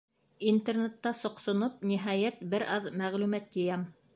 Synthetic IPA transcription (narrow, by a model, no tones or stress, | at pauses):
int̪ernet̪ːɑsŏqsŏnop̚niɦæjæt̪bɘɾʔɑðmæʁlʉmæt̪jɘ̆jæm